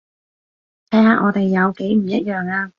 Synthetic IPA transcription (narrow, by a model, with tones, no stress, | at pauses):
t̪ʰɐ˨˥jhaː˨˧ʔɔː˨˧t̪e˨jːɐ˨˧wke˨˥jm̩˨˩jɐ˥t̚jœː˨ŋaː˧